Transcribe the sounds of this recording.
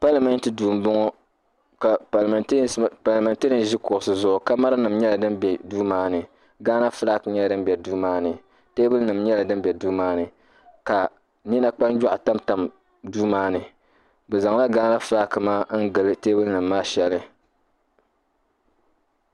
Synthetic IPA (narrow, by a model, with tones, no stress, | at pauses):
pa˦lmɨ˦n˦tɨ˦duː˨m˨bʊ˦ŋɔ˦ | ka˨pa˨lm˨˦˨pa˨lma˨nte˦ɾɨ˨nʒi˦kʊ˨ʊ˨sɨ˨zʊ˦ʔʊ˨ka˦ma˦ɾɨ˦nɨ˨mɲɛ˦la˨dɨ˦mbɛ˨duː˦maː˦nɨ˨ | ɡaː˦na˦fla˦˨kɲɛ˦ldɨ˦m˦bɛ˨duː˦maː˦nɨ˨ | teː˦bɨ˦lnɨ˨mɲɛ˦la˨dɨ˦m˦bʲɛ˨duː˦maː˦nɨ˨ | ka˨ | ni˦na˦k͡pa˦nd͡ʒa˦ʔa˨ta˦mta˨m | duː˦maː˦nɨ˨ | bɛ˨za˨ŋla˦ɡaː˦na˦fla˦kɨ˨maː˦n̩˦ɡɨ˨lɨ˦teː˦bɨ˦lnɨ˨mːaː˦ʃɛ˨lɨ˦